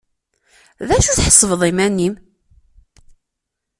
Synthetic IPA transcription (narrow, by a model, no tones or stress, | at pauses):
ðæʃuθħə̥sˤːvəðˤimænːim